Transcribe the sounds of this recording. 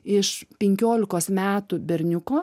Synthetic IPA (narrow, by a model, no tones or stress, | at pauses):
ɪʃpʲɛŋʲkʲoːlʲɪkoːsmʲæːt̪ubʲɛɾʲnʲʊkoː